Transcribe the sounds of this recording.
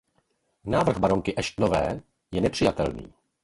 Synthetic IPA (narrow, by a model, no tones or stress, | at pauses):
naːvr̩ɣbaɾo̞ŋkɪʔɛʃtnovɛ̰ː | jɛnɛpr̥ɪjat̪ɛ̰lnḭː